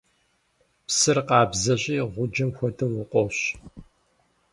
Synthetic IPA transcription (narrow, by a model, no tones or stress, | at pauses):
psɨrqɑːbzɐɕʼiːʁʷʊd͡ʒɐmxʷɔdʰɨmwʊqʷʼɔɕ